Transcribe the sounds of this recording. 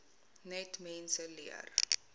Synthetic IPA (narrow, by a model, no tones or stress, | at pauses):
nɛtmɛnsəliər